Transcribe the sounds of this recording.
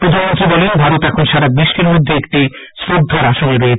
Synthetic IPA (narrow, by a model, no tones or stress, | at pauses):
pɾod̪ʱanmont̪ɾibɔlenbʱaɾot̪ɛkʰonʃaɾabɾiʃːeɾmod̪ʱːeek̚ʈi | sɾod̪ʱːaɾaʃoneɾoe